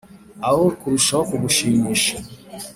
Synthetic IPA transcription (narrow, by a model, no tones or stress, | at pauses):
awoɾkuɾuʃaokubuʃiɲiʃa